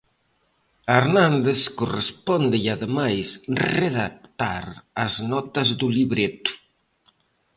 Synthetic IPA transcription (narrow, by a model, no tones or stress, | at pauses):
eɾnãnd̪eskurespɔnd̪ejaðemajsreðak̚t̪aɾaznɔt̪ɐzðuliβɾet̪u̥